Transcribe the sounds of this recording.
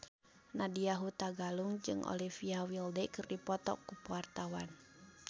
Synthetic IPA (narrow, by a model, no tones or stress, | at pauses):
nadiaɦut̪aɡaluŋd͡ʒɨŋʔɔ̰lifiawildɛkɨrdipɔt̪ɔ̰kːupuart̪awan